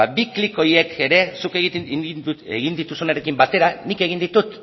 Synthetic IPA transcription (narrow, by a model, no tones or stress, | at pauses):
abikliko̞je̞kʰe̞ɾe̞sukeɣ | eɣind̪it̪usunaɾe̞kimbat̪e̞ɾanike̞ɣind̪it̪ut̪